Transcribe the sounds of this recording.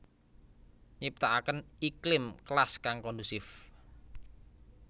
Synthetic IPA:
ɲip̚t̪aʔakənʔiklɪmklaskaŋkɔnd̪usɪf

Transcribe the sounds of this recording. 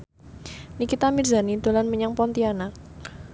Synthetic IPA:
nikit̪amirzanid̪̥olanməɲaŋpɔnt̪ianak̚

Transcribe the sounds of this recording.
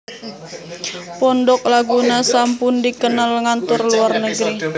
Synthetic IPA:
pɔndɔk̚laɡunasampʊndikənalŋant̪ʊrluarnəɡəɾi

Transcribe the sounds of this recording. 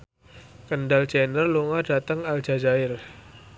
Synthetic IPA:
kəndald͡ʒɛnərluŋadat̪əŋal̥d͡ʒ̥a̤d͡ʒaɪr

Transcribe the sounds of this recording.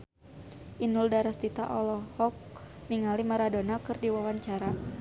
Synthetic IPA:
ʔinʊldaɾast̪it̪a̰ʔɔlɔhɔk̚niŋalimaɾadonakɨrdiwawaɲt͡ʃaɾa

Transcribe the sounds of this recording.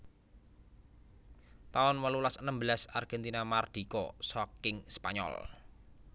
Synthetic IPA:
t̪aʊnwəlulasənəmbəlasarɡ̥ɛnt̪inamard̪̥i̤kɔsɔkɪŋspa̰ɲɔ̰l

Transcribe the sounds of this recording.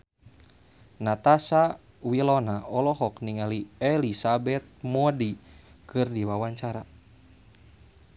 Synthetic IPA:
nat̪asa | wilɔnaɔlɔɦɔkniŋaliɛlisabɛt̪̚mɔdikʰɨrdiwawaɲt͡ʃaɾa

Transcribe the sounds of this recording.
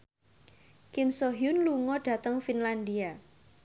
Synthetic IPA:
kɪmsoɦijʊnluŋɔɖ̥ä̤t̪əŋfinland̪ia

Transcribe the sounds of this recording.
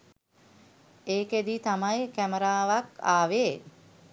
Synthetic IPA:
eːked̪iːt̪amajkæməɾaːʋaka̰ːʋeː

